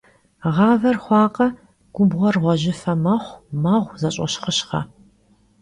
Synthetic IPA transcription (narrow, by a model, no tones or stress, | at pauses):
ʁɑːvɐrχʷɑːqʼɐ | ɡ̥ʷʊbʁʷɔrʁʷɔʑɪfɐmɐχʷmɐʁʷzɐɕʼɐ̰ɕχəɕχɐ̰